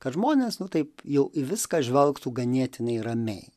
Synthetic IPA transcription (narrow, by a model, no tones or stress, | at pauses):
kɐt̪ʒmoːnʲeːsnʊt̪ɐɪpjɛʊʔɪʋʲɪskɐʒʲʋʲɛlˠkt̪uːɡɐnʲiɛt̪ʲɪnɐɪrɐmʲɛɪ